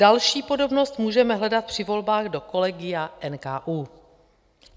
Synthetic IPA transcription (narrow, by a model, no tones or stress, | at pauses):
dalʃiːpo̞do̞bno̞st̪muːʒɛmɛɦlɛdat̪̚pr̥ɪvo̞lbaːɣdo̞ko̞lɛɡɪjaʔɛnkaːʔuː